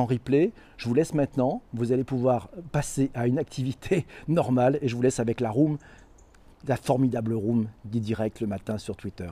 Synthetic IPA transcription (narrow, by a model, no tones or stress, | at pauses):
ɑ̃ʁiple | ʒ̥əvulɛsmɛ̃t̪nɑ̃vuzalepuvwaʁpaseʔaynak̚t̪ʰivit̪ʰenɔʁmaleʒəvulɛsavɛklaʁum | lafɔʁmid̪abləʁumd̪id̪iʁɛk̚t̪ləmat̪ɛ̃syʁt̪wit̪œːʁ